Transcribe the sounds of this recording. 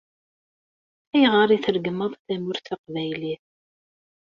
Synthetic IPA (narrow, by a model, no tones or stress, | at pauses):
æjʁəɾˤiθəɾɡəməðˤθæmʊɾθɑqvæjliθ